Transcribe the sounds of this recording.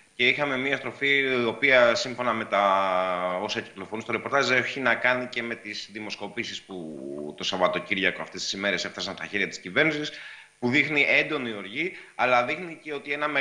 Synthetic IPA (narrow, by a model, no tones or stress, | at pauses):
ce̞ixɐme̞miɐst̪ɾo̞fiopiɐsiɱfo̞nɐme̞t̪ɐ | o̞sɐci̥klo̞fo̞nust̪o̞ɾe̞po̞ɾt̪ɐze̞çinɐkɐnice̞me̞t̪isðimo̞sko̞pisisput̪o̞sɐvɐt̪o̞ciɾʝɐkoɐft̪e̞st̪isime̞ɾe̞se̞fθɐsɐnst̪ɐçeɾʝɐt̪iscive̞ɾnisis | puðixniʔe̞nd̪o̞nio̞ɾʝiɐlɐðixnice̞o̞t̪ie̞nɐme